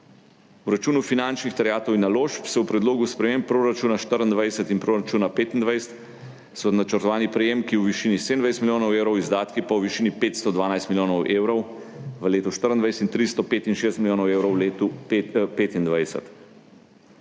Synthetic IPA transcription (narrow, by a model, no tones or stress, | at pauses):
uɾat͡ʃuːnufinant͡ʃnixt̪ɛɾjaːt̪ɔwinːaloːʃpsɛwpɾɛd̪loːɡuspɾɛmempːɾoɾat͡ʃuːnaʃt̪əɾənd̪ʋajsət̪inpɾoɾat͡ʃuːnapeːt̪ind̪ʋajst̪ | sɔnat͡ʃəɾt̪ɔʋaːnipɾɛjeːmkiwʋiʃiːniseːd̪ənd̪ʋajst̪milʲjoːnɔwewɾɔwizd̪aːt̪kipawʋiʃiːnipeːt̪st̪ɔd̪ʋaːnajst̪miljoːnɔwʔeːwɾɔw | ʋəleːt̪uʃt̪əɾənd̪ʋajsɛt̪int̪ɾist̪ɔpeːt̪inʃeːst̪milʲjoːnɔweːwɾɔwlet̪upeːt̪ind̪ʋajsə̰t̪